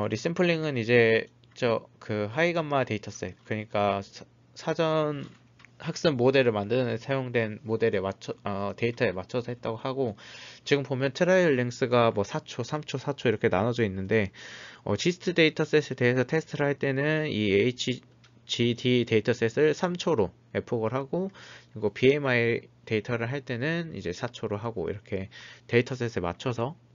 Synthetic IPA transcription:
ʌɾis͈ɯmpʰɯɭːiŋɯnid͡ʑe̞ | t͡ɕʌkɯɦaiɡamːate̞itʰʌs͈ekɯʌɲik͈a | sʰad͡ʑʌn | hak̚s͈ɯnmode̞ɾɯɭmandɯnɯnsʰajoŋdwe̞nmode̞ɾemat͡ɕʰʌte̞itʰʌemat͡ɕʰʌsʰʌɦe̞t̚t͈aɡohaɡot͡ɕiɡɯmpomjʌntʰɯɾaiʌɭːeŋs͈ɯɡamwʌsʰat͡ɕʰosʰamt͡ɕʰosʰat͡ɕʰoiɾʌkʰe̞nanʌd͡ʑoinːɯnde̞ʌ̰t͡ɕisʰɯ̥tʰɯde̞itʰʌs͈es͈ʰe̞te̞esʰʌtʰe̞sʰɯ̥tʰɯɾɯɭɦaɭt͈e̞nɯnieit͡ɕʰi | t͡ɕitʰite̞itʰʌs͈esʰɯɭsʰamt͡ɕʰoɾo | e̞pʰoɡɯɭɦaɡoɡopie̞maete̞itʰʌɾɯɭɦaɭt͈e̞nɯnḭd͡ʑe̞sʰat͡ɕʰoɾoɦaɡo̰ḭɾʌkʰe̞te̞itʰʌs͈e̞s͈ʰema̰t͡ɕʰʌsʰʌ

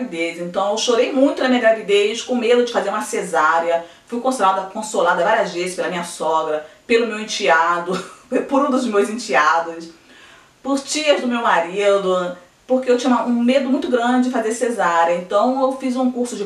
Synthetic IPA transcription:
vid̪ezẽnt̪ɐ̃w̃ewʃoɾejmũj̃t̪ʊnɐmĩɲɐɡɾavid̪eʃkõmed̪ʊd͡ʒɪfazeɾũmɐsezaɾjɐ | fujkõsolad̪ɐkõsolad̪ɐvaɾiɐzvezɪʃpelɐmĩɲɐsɔɡɾɐpelʊmewẽt͡ʃiad̪ʊpʊɾũd̪ʊzmewzẽt͡ʃiad̪ʊs | pʊɾt͡ʃiɐzd̪ʊmewmaɾid̪ʊ | poɾkeewt͡ʃĩɲũɐũmed̪ʊmũj̃t̪ʊɡɾɐ̃d͡ʒɪd͡ʒɪfazeɾsezaɾjɐẽnt̪ɐ̃w̃ewfizũkuɾsʊd͡ʒɪ

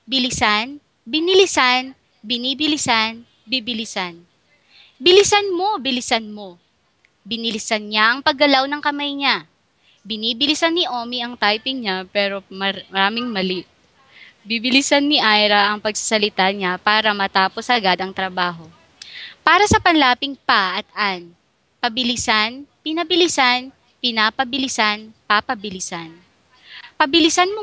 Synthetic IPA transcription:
bɪlɪsan | bɪnɪlɪsan | bɪniːbɪlɪsan | bibɪlɪsan | bɪlɪsɐnmo̞bɪlɪsɐnmo̞ | bɪnɪlɪsɐnɲaʔɐŋpɐɡːɐlawnɐŋkɐmajɲa | bɪniːbɪlɪsɐnːɪʔo̞ːmiʔɐŋt̪ajpɪŋɲapɛːɾo̞mɐmɐɾaːmɪŋmɐlɪ | bibɪlɪsɐnːɪʔajɾɐʔɐŋpɐɡ̚sɐ̥sɐlɪt̪aɲapaːɾɐmɐt̪aːposʔɐɡad̪ɐŋt̪ɾɐbaːɦo̞ | paːɾɐsɐpɐnlaːpɪŋpaʔɐt̪̚ʔan | pɐbɪlɪsanpɪnɐbɪlɪsan | pɪnaːpɐbɪlɪsanpapɐbɪlɪsan | pɐbɪlɪsanmo

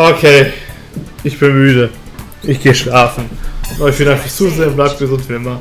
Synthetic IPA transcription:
ʔokʰeː | ʔɪçb̥ɪnmyːdə | ʔɪçɡ̥eːəʃlaːfn̩noɪçb̥ɪndakʰːɪçt͡suzeːɐʊnblaɪbɡ̥əzʊntv̥iɪmɐ

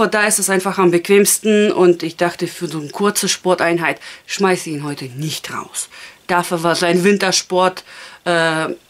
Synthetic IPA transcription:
bɐd̥aːɪstɛsʔaɪnfaχambəkv̥eːmstn̩ʊntɪçd̥aχtəfyːɐzoːnkʰʊɐt͡səʃpɔɐtʔaɪnɦaɪtʃmaɪsiːnɦɔʏtʰənɪçtʁa̰ʊsd̥aːfyːɐvaːɐzaɪnvɪntɐʃpɔɐtʔɛː

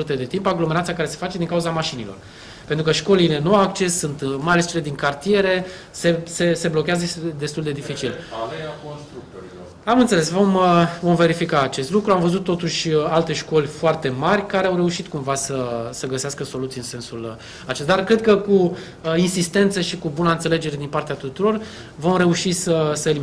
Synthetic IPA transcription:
ut̪e̞d̪et̪impaɡlo̞meɾat̪sijakaɾe̞se̞̥fat͡ʃe̞d̪iŋkauzamaʃinilo̞̰r | pe̞nt̪ɾukəʃko̞lile̞nuawakt͡ʃe̞sːunt̪majalest͡ʃe̞le̞d̪iŋkart̪ije̞ɾe̞ | se̞se̞se̞blo̞kʲeazəsd̪e̞st̪uld̪e̞d̪ifit͡ʃilveakonst̪ɾuk̚t̪oɾio | amɨnt̪sele̞svo̞məvo̞mve̞ɾifikaːt͡ʃe̞st̪lukɾuamvəzut̪ːo̞t̪uʃʲalt̪e̞ʃko̞lʲfoart̪e̞marʲkaɾeawɾe̞uʃit̪kumvasəsəɡəseaskəso̞lut̪siɨnse̞nsul | at͡ʃest̪ad̪arkɾe̞d̪̚kəku | insist̪e̞nt̪səʃikubunəɨnt̪sele̞d͡ʒe̞ɾe̞d̪inpart̪eat̪ut̪uɾo̞r | vo̞mɾe̞uʃisəsəeli

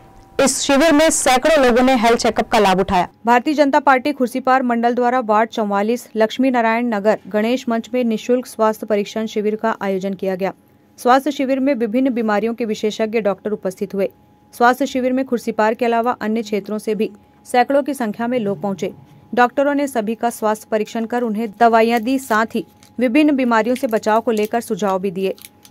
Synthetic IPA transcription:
ɪsʃɪʋɪɾmẽsɛːkɽoloːɡõneɦɛlt͡ʃɛːkəp̚kalaːbʊʈʰaːja̰ːbʱaːɾt̪iəd͡ʒənt̪apaːɾʈikʰʊɾsipaːɾmɐ̃ɳɖəld̪waːɾaʋaːʈ̚t͡ʃɐ̃w̃ʋaːliːslɐkʃminaːɾaːjəɳnɐɡəɾɡɐɽ̃eːʃmɐ̃ɲt͡ʃmẽnɪʃʊlkswaːst̪ʰəpɐɾiːkʃənʃɪʋɪɾkaʔaːjoːd͡ʒənkijaɡɐjaː | swaːst̪ʰjəʃɪʋɪɾmẽʋɪbʱɪnːbiːmaːɾijõkeʋɪʃeːʃəɡjəɖɔːk̚ʈəɾʊpəst̪ʰɪt̪ɦʊeː | swaːst̪ʰjəʃɪʋiɾmẽkʰʊɾsipaːɾkeɐlaːʋaʔɐnjəkʰt͡ʃʰeːt̪ɾõsebʱi | sɛːkɭõkisɐ̃ŋkʰjamẽloːɡ̚pɐɦʊ̃t͡ʃeː | ɖɔːk̚ʈəɾõnesɐbʱikaswaːst̪ʰəpɐɾikʃənkɐɾʊnɦẽd̪ɐʋaːijãd̪isaːt̪ʰɦi | ʋɪbʱɪnːbiːmaːɾijõsebɐt͡ʃaːokoleːkəɾsʊd͡ʒʱaːobʱid̪ieː

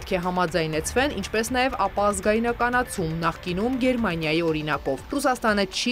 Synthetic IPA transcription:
t̪kʰɛɦɑmɑd͡zɑjnɛt͡sʰvɛnint͡ʃʰpɛsn̪ɑjɛvɑpɑːzɡɑjinɑkɑnɑt͡sʰumnɑχkinumɡɛɾmɑnjɑjiɔɾinɑkɔvrus̬ɑst̪ɑnət͡ʃʰi

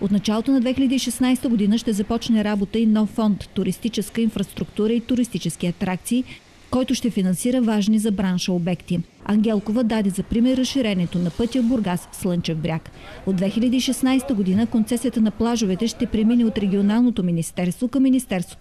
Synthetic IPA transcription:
ot̪nɐt͡ʃalˠot̪onɐd̪vɛxilʲəd̪iːʃɛsnajst̪əɡod̪inəʃt̪ɛzɐpɔt͡ʃnɛɾabot̪əinɔfːɔnt̪ːʊɾist̪it͡ʃɛskəinfɾɐst̪ɾukt̪uɾəit̪ʊɾist̪it͡ʃɛsk̟iɐt̪ɾakt̪siː | kɔjt̪ʊʃt̪ɛfinɐnsiɾəvaʒnizɐbɾanʃəobɛkt̪i | ɐŋɡ̟ɛlˠkovəd̪ad̪ɛzɐpɾimɛɾːɐsʃiɾɛnɛt̪onɐpɤt̪ʲiəboɾɡasːlˠɤnt͡ʃɛvbɾʲjakod̪vɛxilʲɐd̪iːʃɛsnajst̪əɡod̪inəkont̪sɛsijət̪ənɐplˠaʒovɛt̪ɛʃt̪ɛpɾɛminɛot̪ɾɛɡʲionalˠnot̪ominist̪ɛɾst̪vokɐmːinist̪ɛɾst̪vo̥t̪

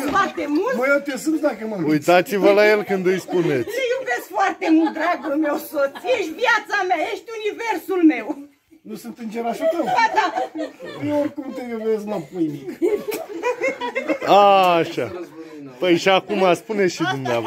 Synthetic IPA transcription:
foart̪emultməjot̪esɨnsd̪akəmamujt̪at̪sivəlajelkɨnd̪ɨjspunet̪sʲjube̞skfoart̪emult̪̚d̪ɾaɡulme̞wsot̪sʲjeʃt̪ʲvjat̪sameajeʃt̪ʲunive̞rsulme̞w | nusɨnt̪ɨnd͡ʒeɾaʃat̪əwad̪a | orkumt̪ejubesk̚napojmi | aːʃapəjʃiakumaspuneʃid̪umnea

